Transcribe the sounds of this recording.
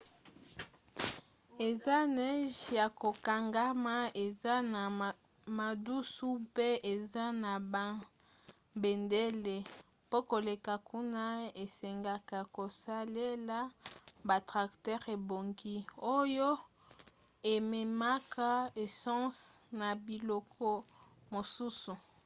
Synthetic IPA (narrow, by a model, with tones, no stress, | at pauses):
e˨za˦nɛ˦ʒja˨ko˨ka˨ŋɡa˦ma˦e˨za˦na˨ | ma˨du˦su˦pe˦ʔe˨za˦na˨ba˦ | be˨nde˦le˨ | po˦ko˨le˨ka˨kʰu˦na˦e˨sɛ˨ŋɡa˦ka˨ko˨sa˦le˦la˦ba˨tʁa˨ktɛ˦ʁe˨bo˨ŋɡi˦o˦jo˦ | e˨me˨ma˦ka˦e˨sɑ̃˦sna˨bi˨lɔ˨kʰɔ˦ | mo˨su˦su˨